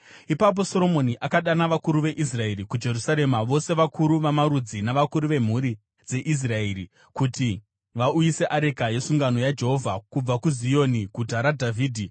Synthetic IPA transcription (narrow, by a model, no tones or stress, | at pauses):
ipap̬o̞so̞ɾo̞mo̞niʔakaɗanaʋakuɾuʋe̞ʔis̬rae̞ɾikud͡ʒe̞rusaɾe̞maʋo̞se̞ʋakʰuɾuʋamaɾud͡zinaʋakuɾuʋe̞m̤uɾi | d͡ze̞ʔis̬raeːɾi | kuti | ʋaujise̞ʔaɾe̞kaje̞suŋɡano̞jad͡ʒe̞ɦo̞vʱakub͡vakuzijo̞niɡʱutaɾadʱavʱiːdʱi